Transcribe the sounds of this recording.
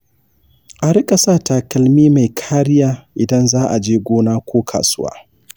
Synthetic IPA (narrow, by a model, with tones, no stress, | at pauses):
ʔa˨ɾɪ˦kʼɐ˨saː˦taː˨kɐ˨lmiː˦ma˨jkʰaː˦ɾɪ˦jaː˦ʔɪ˨dɐ˦nzaː˦ʔa˨d͡ʒeː˦ɡʷoː˦naː˦kʷoː˦kʰa̰ː˨sʊ˦wa̰ː˦